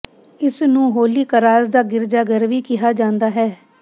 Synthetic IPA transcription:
ɪsnũːɦoːliːkəɾaːzd̪aːɡɪɾd͡ʒaːɡəɾʋiːkɪɦaːd͡ʒãːnd̪aːɦɛː

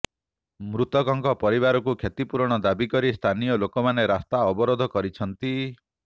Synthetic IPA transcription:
mɾut̪ɔkɔŋkɔpɔɾiβaɾɔkukʰjet̪ipuɾɔɽ̃ɔd̪abikɔɾist̪ʰanijɔlokɔmaneɾast̪aɔbɔɾod̪ʱɔkɔɾit͡ʃʰɔnt̪i

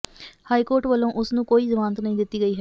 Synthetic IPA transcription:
haːiːkoːɾʈʋəlːõːʔʊsnũːkoːiːzəʋãːnt̪nəĩːd̪ɪt̪ːiːɡəiːɦɛː

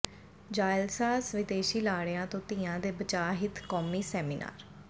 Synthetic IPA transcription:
d͡ʒaːɪlsaːsʋɪd̪eːʃiːlaːɽãːt̪õːt̪iːãːd̪eːbət͡ʃaːɦɪt̪kɔːmiːsɛːmiːnʔa̰ːɾ

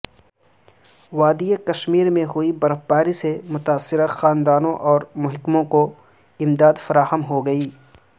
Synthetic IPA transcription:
ʋaːd̪iekɐʃmiːɾmẽɦʊibɐɾəfbaːɾisemʊt̪aːsːɪɾaxaːnd̪aːnõʔɔːɾmʊɦɪkmõko | ɪmd̪aːd̪fɐɾaːɦəmɦoɡɐiː

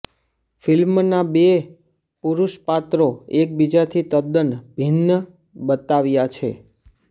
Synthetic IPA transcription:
filmnabe | puɾuʃpat̪ɾoek̚bid͡ʒat̪ʰit̪əd̪ənbʱinːə | bət̪aʋjat͡ʃʰḛ

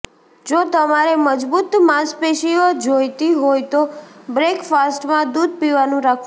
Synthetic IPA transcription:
d͡ʒot̪əmaɾeməd͡ʒbut̪mãspeʃiod͡ʒojt̪iɦojt̪obɾekfasʈmãd̪ud̪̚ʱpiʋanũɾakʰ

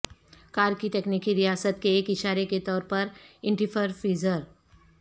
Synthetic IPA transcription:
kaːɾkit̪ɛːkniːkiɾijaːsət̪keːkɪʃaːɾeket̪ɔːɾpɐɾɪ̃ɳʈipʰəɾfiːzəɾ

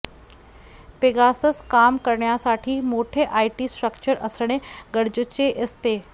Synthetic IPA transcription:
peɡasəskaːmkəɾɳjasaːʈʰimoːʈʰeʔaːiʈiːsʈɾəkt͡ʃəɾʔɐsəɽ̃eɡəɽd͡ʑət͡ɕeʔest̪eː

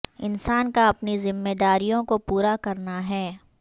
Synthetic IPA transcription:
ɪ̰nsaːnkaɐpnizɪmːeːd̪aːɾijõkopuːɾakɐɾnaɦɛː

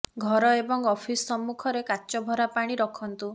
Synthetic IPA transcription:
ɡʱɔɾɔebɔŋɔpʰisːɔmːukʰɔɾekaːt͡ʃɔbʱɔɾapaɽ̃iɾɔkʰɔnt̪u

